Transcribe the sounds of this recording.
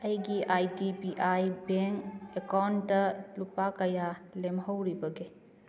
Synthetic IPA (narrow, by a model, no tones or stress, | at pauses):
ɐjɡiʔajdipiʔajbeŋkekawndɐlupakɐjalemɦɐwɾibɐɡe